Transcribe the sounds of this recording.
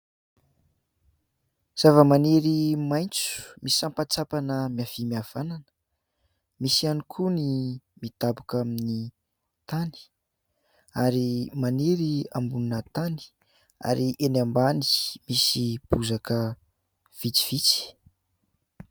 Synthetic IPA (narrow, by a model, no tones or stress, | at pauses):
z̥avəmaneɾimajnt͡su̥misampat͡sapanəmiav̥imiav̥ananə̥ | misianikʰunimit̪abukamini | t̪ani̥ | aɾimaniɾiambununət̪ani̥ | a̰ɾiʔenambani̥misib̥uzakə | v̥it͡si̥v̥it͡si̥